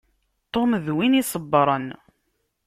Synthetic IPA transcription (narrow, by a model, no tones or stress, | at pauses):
t̪ˤːomðwinisˤəbːɾˤən